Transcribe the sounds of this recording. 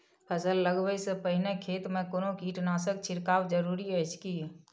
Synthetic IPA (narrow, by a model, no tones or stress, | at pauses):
pʰəsəlːəɡbəisəpəɦɪnekʰeːt̪mẽkonokiːʈnaːsək̚t͡ʃʰɪɾkaːwd͡ʒəɾuːɾiɛt͡ʃʰki